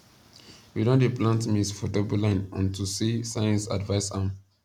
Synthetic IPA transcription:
widõndeplãntmisfɔdɔbulãɪ̃nãntusisajə̃nsa̰dvaɪsãm

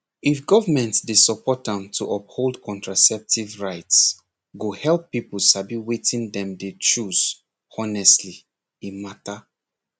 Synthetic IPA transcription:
ifɡɔvəmɛ̃ntsdesɔpɔtãmtʰuʔɔp̚holˠdkʰɔ̃ntɹasɛp̚tʰivɹaɪts | ɡohɛlpːipl̩sabiwetĩndɛ̃mdet͡ʃuz̥ | ɔnɛstli | imata

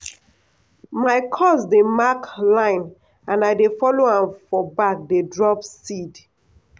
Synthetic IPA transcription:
maɪkʰɔsdemaklãɪ̃n | ãnaɪdefɔloãmfɔbak̚dedɹɔpsid

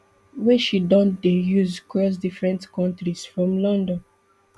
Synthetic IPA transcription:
wɛʃidɔ̃ndejuzkɹɔs̬difɹɛ̃ntkɔ̃ntɹisfɹɔ̃mlɔ̃ndɔ̃n

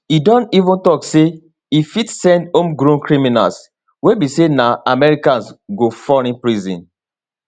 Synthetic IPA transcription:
idɔ̃ntivũntɔkse | ifitsɛ̃ndõmɡɾũnkɹimina̰ls | webisenaʔamɛɹikãnsɡofɔɾĩnpɹizḭ̃n

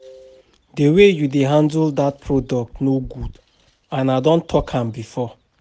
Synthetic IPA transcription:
dewejudeɦãndldat̚pʰɹɔdɔk̚tnoɡud | ãnadɔ̃ntʰɔkʰãmbifɔ

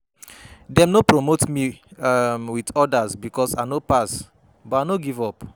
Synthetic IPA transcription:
dɛ̃mnopɹomotmi | mwitɔdasbikɔsaɪnopas | bɔanoɡivɔp

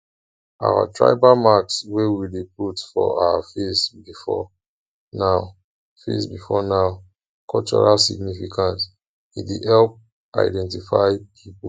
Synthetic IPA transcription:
ʔa̰wa̰tʰɹa̰ɪbamakswewideputfɔ̰a̰wafesbifɔ̰ | naʊ | fḛsbifɔnaʊ | kʰɔlt͡ʃɔ̰ɹalsḭɡnifikʰãnt | ĩdihɛlp̚ | ʔa̰ɪdɛ̃ntifaɪpʰip

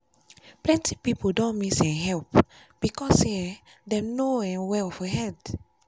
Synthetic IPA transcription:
plɛ̃nti̥pipodɔ̃nmisɛ̃ɦɛlp | b̥ikɔse | dɛ̃noɛ̃nwɛlɔfəɦɛd

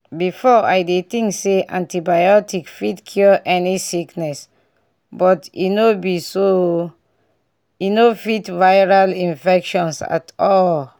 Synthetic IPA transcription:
bifɔajdet̪ĩŋkseʔã̰ntibajɔtikfitkʰjɔʔɛnisiknɛs | bɔtḭnobiso | inofitvajɹalĩnfɛkʃɔ̃nsa̰tɔl

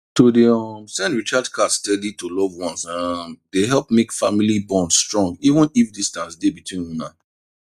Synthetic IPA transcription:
todeɔmsɛ̃ndɹit͡ʃadkʰatstɛditolɔvwɔ̃nsãmdeɦɛlˠpmekfamilibɔ̃nstɹɔ̃ŋɡivə̃nifdistãnsdebitʰwĩnhũna

